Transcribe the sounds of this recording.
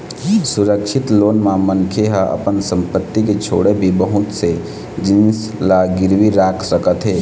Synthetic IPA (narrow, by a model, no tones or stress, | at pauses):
sʊɾəkʃʰɪt̪loːnmamənkʰeɦəʔə̰pənsə̃mpət̪ːiket͡ʃʰo̰ːɽebʱibəɦʊt̪se | d͡ʒɪns | laɡɪɾwiɾaːkʰsəkət̪ɦeː